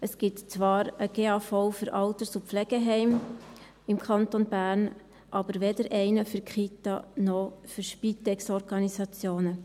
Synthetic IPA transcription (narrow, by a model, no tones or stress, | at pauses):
əsɡ̥ɪtt͡sʋɑːɾəɡ̥eːɑfɔʊfyɾʔɑlt̪əsupp͡flɛɡ̥əɦɛɪm | ɪmkʰɑntonbæːɾn | ʔɑb̥əɾʋɛdəɾʔɛɪnəfʏɾkχit̪ɑ̰nɔfyɾʃpit̪ɛksɔɾɡ̥ɑnisɑt͡sjoːnə